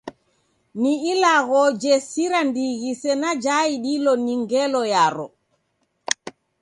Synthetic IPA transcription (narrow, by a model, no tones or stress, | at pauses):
niilaɡɔd͡ʒɛsiɾandiɡisɛnad͡ʒajiɗilɔniŋɡɛlɔjaːɾɔ